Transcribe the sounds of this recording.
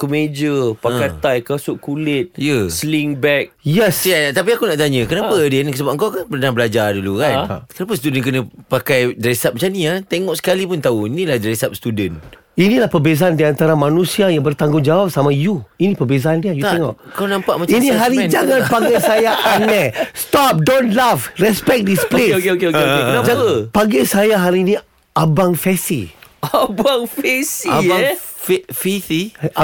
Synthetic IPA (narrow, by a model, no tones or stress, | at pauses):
kəmed͡ʒəpakat̪ajkasʊʔkulɪt̪̚jəsliŋbɛk̚jɛsjɛt̪apiakunaʔt̪aɲə̃kənapədɛnkəsəbap̚əŋkawkanpərnãŋbəlad͡ʒardulukankənap̬əst̪udənk̬ənə̃pakajdɾesap̚mat͡ʃaniat̪eŋɔʔsə̥kalipʊnt̪auinĩlahdɾɛsap̚sə̥t̪udən | inĩlahpərbezaandiant̪aɾamanũsiajaŋbərt̪aŋɡʊŋd͡ʒawap̚samajuinĩpəbezaandiajutɛŋɔʔkaunãmpa̰ʔmainĩɦaɾid͡ʒaŋãnpaɡasajaʔanɛst̪ɔp̚donlavrɛspɛk̚displeoeokeokeoenad͡ʒapaɡasajaɦaɾinĩ | abaŋfɛsḭabaŋfɛsiaaŋffit̪i